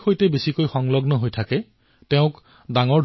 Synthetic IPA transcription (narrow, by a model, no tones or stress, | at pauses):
xojtɛbesikojxɔŋlɔɡnɔɦojtʰakɛ | tɛʊ̃k | daŋɔɹ